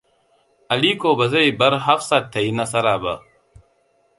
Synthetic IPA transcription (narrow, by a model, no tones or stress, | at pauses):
ɐliːkoːbɐzɐibɐɾɦɐfsɐt̪ʰːɐinɐsɐɾaːbɐ̰